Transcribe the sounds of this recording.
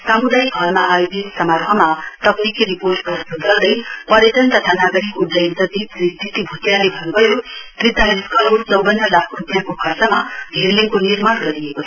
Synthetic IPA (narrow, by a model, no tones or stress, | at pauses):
samud̪ajiɡʱʌrmaːjobesʌmaɾɦʰʌmat̪ʌpnikiɾiporʈɡʌɾbuɡ̪ʌrd̪ʌjpʌɾjeʈ̪ʌnt̪ʌt̪ʰanaɡʌɾikːodʌjnsʌt̪iprist̪ʰit̪ibʱut̪jalebʱʌnubʱʌjot̪rid̪ʱaɾiskʌloɾt͡sʌwbʌnːʌlakʰbʱut̪jakokʰʌsamabʱerliŋkonirmʌɽɡʌɾiekot͡sʰʌ